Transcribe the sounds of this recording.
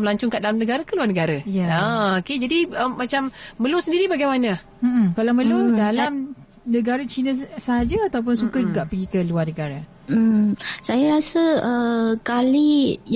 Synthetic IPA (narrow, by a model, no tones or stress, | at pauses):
məlaɲt͡ʃʊŋkaʔdalamnəɡaɾakəluarnəɡaɾajaaoked͡ʒadiəːat͡ʃamːəlusəndiɾibaɡajmanə | m̩ʔm̩kalawməludalam | nə̃ɡaɾat͡ʃinəsəɦad͡ʒaat̪awp̬ʊnsukad͡ʒuɡaʔpəɡikəluarnəɡaɾa | m̩sajaɾasəəkali